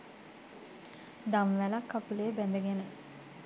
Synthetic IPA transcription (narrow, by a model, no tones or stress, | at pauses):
d̪amʋælakːapuleːbænd̪əɡenə